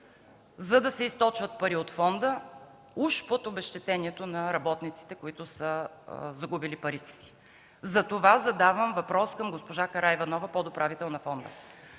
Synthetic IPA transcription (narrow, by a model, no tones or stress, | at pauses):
zɐd̪ɐsɛist̪ɔt͡ʃvət̪̚pɐɾiot̪fɔnd̪ə | uʃpot̪obɛʃt̪ɛt̪ɛnʲiɛt̪onɐɾɐbɔt̪nit̪si̥t̪ɛkoit̪ʊsəzɐɡubilipɐɾit̪ɛ̥si̥ | zɐt̪ovazɐd̪avəmvɐpɾɔskɐmɡospoʒakɐɾaivɐnɔvɐpod̪opɾavit̪ɛlˠnɐfɔnd̪ə̰